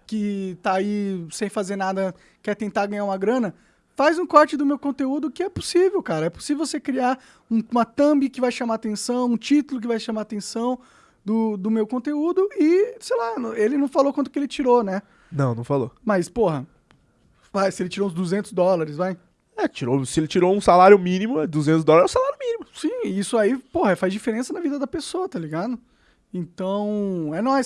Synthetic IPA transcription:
kɪt̪aːisẽj̃fazeɾnad̪ɐ | kɛɾt̪ẽnt̪aɾɡɐ̃ɲaɾũmɐɡɾɐ̃nɐ | fajzũkɔɾt͡ʃɪd̪ʊmewkõt̪eud̪ʊkɪɛpo̥sivewkaɾɐɛpo̥sivevwsekɾiaɾ | ũũmɐt̪ɐ̃bɪkɪvajʃamaat̪ẽsɐ̃w̃ũt͡ʃit̪ʊlʊkɪvajʃãmaɾat̪ẽsɐ̃w̃ | d̪ʊd̪ʊmewkõnt̪eud̪ʊɪsejlaelɪnɐ̃w̃falokwɐ̃nt̪ʊkɪelɪt͡ʃiɾonɛ | nɐ̃w̃nɐ̃w̃falo̰mɐspohɐ | vajsɪelɪt͡ʃiɾõzd̪uzẽnt̪ʊzd̪ɔlɐɾɪsvaj | ɛt͡ʃiɾosɪelɪt͡ʃiɾoũsalaɾjʊmĩnimʊɛd̪uzẽt̪ʊzd̪ɔlaɐɾɛʊ̃salaɾjʊmĩnimʊsĩisʊaipohɐɛfazd͡ʒifeɾẽsɐnɐvid̪ɐd̪ɐpesoɐt̪aliɡad̪ʊ | ẽnt̪ɐ̃w̃ɛnɔ

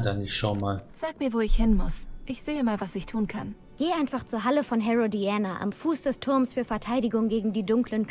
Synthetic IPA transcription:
danɪçʃonmaːlz̥aːk̚miːɐvoːɪçhɪnmʊ̰sʔɪçz̥eːəmaːlvasɪçtʰuːnkʰan | ɡ̥eːaɪnfaχt͡suːɐɦaləfɔnɦɛʁodiaːnaʔa̰mfuːsd̥ɛstʰʊɐmsfyːɐfɛɐtʰaɪɾɪɡʊŋɡeːɡŋ̩diːdʊŋklən

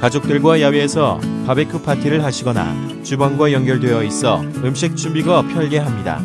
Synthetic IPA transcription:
kad͡ʑok̚t͈ɯɭɡwajaweːsʰʌpabekʰɯpʰatʰiɾɯɭɦaɕʰiɡʌna̰ | t͡ɕubanɡwajʌŋɡjʌɭdwe̞ʌis͈ʌ̰ɯmɕ̬ʰik̚t͡ɕʰumbiɡapʰjʌɭɡe̞ɦamɲida̰

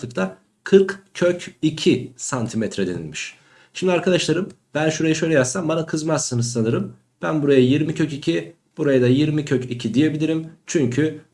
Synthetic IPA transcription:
ɯkt̪ʰa | kʰɯɾkcʰøcicʰisant̪ʰimɛt̪ɾɛd̪e̞nḭlʲmiʃ | ʃimd̪iaɾkʰad̪aʃlˠaɾɯmb̥ænʃuɾajaʃø̞jlʲɛjazsambanakʰɯzmassɯnɯzsanɯɾɯm | b̥ænbuɾajajiɾmicʰøcicʰi | b̥uɾajad̪ajiɾmicʰøcʰicʰid̪ije̞bilʲiɾimt͡ʃʰyɲcʰy

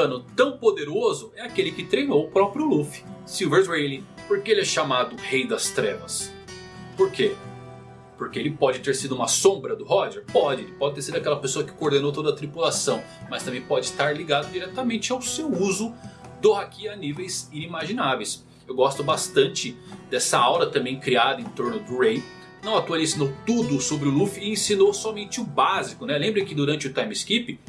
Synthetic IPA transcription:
ɐ̃nʊt̪ɐ̃w̃pod̪eɾozʊɛakelɪkɪt̪ɾejnowʊpɾɔpɾiʊlufɪ̥siwveɾwejlipoɾkeelɪɛʃamad̪ʊhejd̪ɐst̪ɾɛ̰vɐs | poɾkʰe | poɾkeelɪpɔd͡ʒɪt̪eɾsid̪ʊumɐsõbɾɐd̪ʊhɔʒɛɾpɔd͡ʒɪelɪpɔd͡ʒɪt̪eɾsid̪ʊakɛlɐpesoɐkɪ̥kooɾd̪ẽnowt̪od̪ɐt̪ɾipulasɐ̃w̃mɐst̪ɐ̃mbẽj̃pɔd͡ʒɪst̪aɾliɡad̪ʊd͡ʒiɾɛt̪ɐmẽnt͡ʃɪawsewuzʊ | d̪ohakiɐɐnivejzinimaʒinavejs | ewɡɔst̪ʊbast̪ɐ̃nt͡ʃɪ | d̪ɛsɐawlɐt̪ɐ̃mbẽj̃kɾiad̪ɐẽt̪oɾnʊd̪ʊɾẽj̃ | nɐ̃w̃at̪uɐlĩsinowt̪ud̪ʊsobɾɪʊlufɪẽsĩnosɔmẽnt͡ʃɪʊbazikʊnɛlẽmbɾɐ̃kɪd̪uɾɐ̃nt͡ʃɪʊt̪ajmɪskipɪ

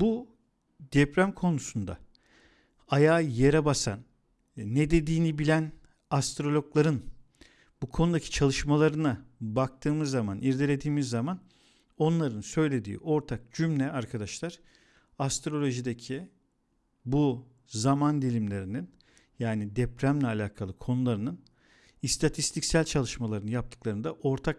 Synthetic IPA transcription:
bu | d̪ɛpɾæmkʰo̞nusund̪a̰ | ajaːjeɾɛbasa̰nː | ɛd̪e̞d̪iːnibilʲæn | ast̪ɾo̞lʲoklˠaɾɯn | bukʰo̞nud̪acʰi̥t͡ʃʰalˠɯʃmalˠaɾɯnabak̚t̪ʰɯːmɯzːamanʔiɾd̪elʲe̞d̪iːmizːaman | o̞nlˠaɾɯnsø̞jlʲe̞d̪ḭːʔo̞ɾt̪ʰak̚d͡ʒymlʲɛaɾkʰad̪aʃlˠaɾ̥ | ast̪ɾo̞lʲo̞ʒid̪ecʰi | bu | zamand̪ilʲimlʲe̞ɾinin | jaːnid̪ɛpɾæmlʲɛalʲaːkʰalˠɯkʰo̞nulˠaɾɯnɯn | ist̪ʰat̪ʰist̪ʰicsælʲt͡ʃʰalˠɯʃmalˠaɾɯnjap̚t̪ʰɯ̥klˠaɾɯnd̪aʔo̞ɾt̪ʰak

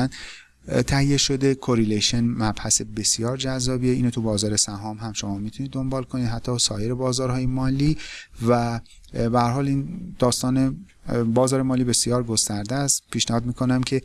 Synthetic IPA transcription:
n | t̪ʰæhijːe̞ʃo̞d̪e̞kʰoɾeleʃenmæb̥hæsebe̞sjɒːɾd͡ʒæzːɒːbiːeiːnot̪ʰubɒːzɒːɾe̞sæɦɒːmhæmʃo̞mɒːmiːt̪ʰunid̪ːo̞mbɒːlkʰonid̪ɦæt̪ʰːɒːsɒːje̞ɾe̞bɒːzɒːɾhɒːjemɒːliːvæ | behæɾhɒːliːnd̪̥ɒːst̪ɒːne | bɒːzɒːɾemɒːliːbe̞sijɒːɾɡo̞st̪æɾd̪æst̪pʰiːʃnæhɒːd̪miːkʰo̞næmkʰe̞

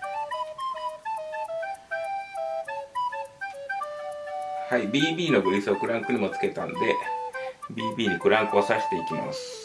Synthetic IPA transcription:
haibʲiːbʲiːno̞ɡɯ̟ɾʲisɨo̞kɯ̟ɾãŋkɯ̟ɲ̟imo̞t͡sɨ̥ke̞t̪ãnod̪e̞ | bʲiːbʲiːɲ̟ikɯ̟ɾãŋkɯ̟o̞saɕi̥t̪e̞ikʲima̰sɨ̥

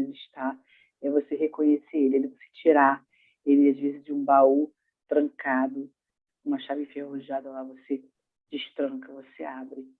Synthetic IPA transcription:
lɪiʃt̪a | ɛvoseɦekõɲeseelɪelɪvose̥t͡ʃiɾa | elɪazvezɪzd͡ʒɪũbau | t̪ɾɐ̃ŋkad̪ʊ | ũmɐʃavĩfehoʒad̪ɐlavose | d͡ʒiʃt̪ɾɐ̃ŋkɐvoseabɾɪ

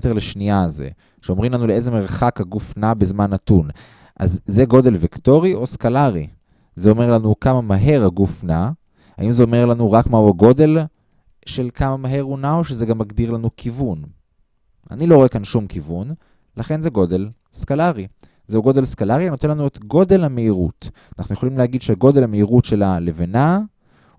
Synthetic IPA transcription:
eteʁleʃniazḛ | ʃeo̞mʁimlanuleeze̞meʁχakhaɡufnabezmanatun | ʔa̰zːe̞ɡo̞de̞lvikto̞ʁio̞skalaʁḭ | zeo̞me̞ʁlanukamamaɦe̞ʁhaɡufna | ha̰ʔimzeo̞me̞ʁlanuʁakmauaɡo̞de̞l | ʃe̞lkʰamamaɦe̞ʁunaoʃezeɡamːaɡdiʁlanukʰivun | a̰nilo̞ʁoekanʃumkivun | laχe̞nzeɡo̞de̞l | skalaʁi | zeuɡo̞de̞lskalaʁiano̞tenlanuetɡo̞de̞lhameiʁṵtanaχnujeolimleaɡid̪ʃehaɡo̞de̞lhameiʁutʃe̞lalevena

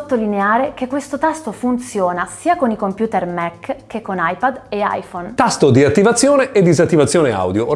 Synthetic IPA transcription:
ot̪ːolineaːɾek̟ekːwest̪ot̪ast̪ofunt̪sjoːnasiːakonikompjuːt̪ermɛkːkːekːonajpad̪ea̰jfont̪ast̪od̪iat̪ːivat̪sːjoːneʔed̪ːizat̪ːivat̪sːjoːnea̰wd̪jo

